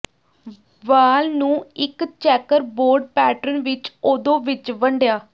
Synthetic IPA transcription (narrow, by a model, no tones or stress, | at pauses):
ʋaːlnũːɪkt͡ʃɛːkəɾboːɾɖpɛːʈɾənʋɪt͡ʃoːd̪õːʋɪt͡ʃʋəɳɖjaː